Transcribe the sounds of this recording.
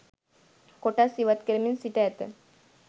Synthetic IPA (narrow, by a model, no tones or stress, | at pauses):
koʈasiʋat̪kəɾəminsiʈɛːt̪ə̰